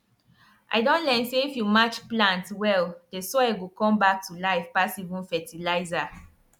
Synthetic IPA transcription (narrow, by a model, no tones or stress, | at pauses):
ʔa̰ɪdõntlɛnseifjumat͡ʃplãntwɛldesɔɛɡokɔ̃mbak̚tulaɪfpasivũnfɛtʰilaɪza